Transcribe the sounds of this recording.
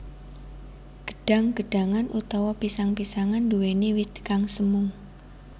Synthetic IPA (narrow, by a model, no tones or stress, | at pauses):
ɡ̥ə̥ɖ̥a̤ŋɡ̥ə̤ɖ̥a̤ŋanut̪ɔwɔpisaŋpisaŋanduwenewit̪kaŋsəmʊŋ